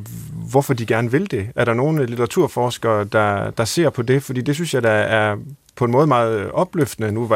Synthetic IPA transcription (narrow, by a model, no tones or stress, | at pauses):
ʋɒfɒ̽d̥iɡ̥æɐnəʋe̝ld̥e̝æɐɾ̥ɑ̈no̝ːnlit͡sʰeʁɑ̈t͡sʰuɐ̰fɒːsɡ̥ɐːd̥ɑ̈d̥ɑ̈se̝ɐ̰pʰɒ̽d̥e̝fɒd̥ḭːd̥e̝s̬ynsjɑ̈ɪd̥ɑæɐpʰɒ̽enmɔ̽ːð̞̩ˠmɑ̈ːð̩ˠɒ̽b̥løfd̥ənənuʋɑ